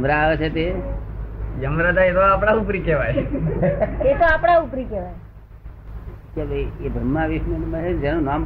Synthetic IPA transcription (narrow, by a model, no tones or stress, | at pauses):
mɾaʋet͡ʃʰet̪e | jəmɾad̪ʱaet̪oapɽ̃aupɾikeʋaj | et̪oapɽ̃aupɾikeʋaj | kebebʱɾəmːaʋiʃnənmat͡ʃed͡ʒenũnam